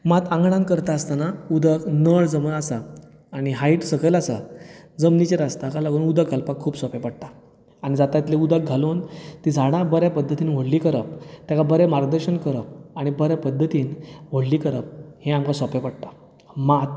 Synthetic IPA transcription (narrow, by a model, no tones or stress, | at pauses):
mat̪ãŋɡɳ̃ãnkəɾt̪aəst̪anaud̪ʱəknəɭd͡zəməasaː | ɽ̃iɦaiʈsəɡəlasad͡zəmnit͡ɕeɾast̪akalaɡuːnud̪ʱəkɡʱalpakʰːuːpsɔpepəɽt̪aː | aɽ̃id͡zat̪ait̪leud̪ək̚ɡʱaluːnt̪id͡zʱaɽ̃abəɾjapəd̪ʱːət̪iːnʋoɽlikəɾəp̚t̪jakabəɾɛmaɾɡd̪əɾɕəɳkəɾəpaɽ̃ibəɾjapəd̪ʱːət̪iːnʋoɽliːkəɾəp̚hẽamkasɔpepəɽt̪ḁ | mat̪̚